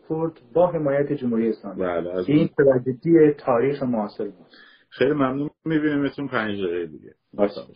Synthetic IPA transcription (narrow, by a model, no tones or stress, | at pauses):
kʰoɾd̪̥bɒːɦe̞mɒːjæt̪ʰed͡ʒomhuːɾiːeslɒːmiæːleæziːnt̪ʰevæd͡ʒed̪iet̪ʰɒːɾiːxemoɒːselbuːd̪̥ | xejlimæmnuːmmibinimesunpʰænd͡ʒd̪eːɣejed̪ḭɟḛ | s